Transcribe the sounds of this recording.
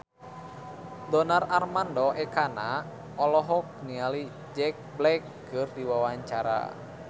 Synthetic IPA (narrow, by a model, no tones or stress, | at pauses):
dɔnararmandɔʔɛkana | ɔlɔɦɔk̚niali | d͡ʒɛk̚blɛkː | ɨrdiwawaɲt͡ʃaɾa̰